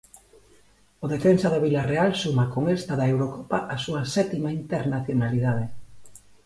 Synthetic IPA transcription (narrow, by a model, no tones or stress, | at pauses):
oð̞efensað̞oβ̞ilarealsumakoŋest̪aðaewɾokopaʔasuasɛt̪imaint̪eɾnaθjonalið̞að̞e